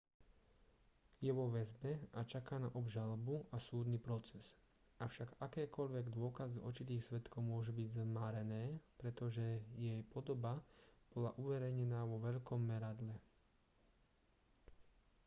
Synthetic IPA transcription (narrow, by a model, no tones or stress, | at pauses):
jɛʋɔʋɛzbɛat͡ʃakaːnaʔɔbʒalɔbuasuːd̪nipɾɔt͡sɛz | ʔafʃaɡakɛːkɔʎʋɛɡd̪ʊɔkazɔ̰ɾt͡ʃit̪iːxsʋɛt̪kɔʊmʊɔʒubiɟzmaɾɛnɛːpɾɛt̪ɔʒɛjɛjpɔd̪ɔbab̥ɔlaʔuʋɛɾɛjɲɛnaːʋɔʋɛʎkɔmːɛɾad̪lɛ